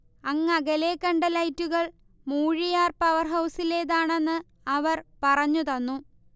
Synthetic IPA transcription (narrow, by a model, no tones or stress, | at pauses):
ɐŋːɐɡɐleːkːɐɳɖɐlɐjtːuɣɐɭ | muːɻijaːrpɐʋɐrɦɐwsileːðaːɳe̞nːɨ | ɐʋɐrpɐrɐɲːut̪ɐnːu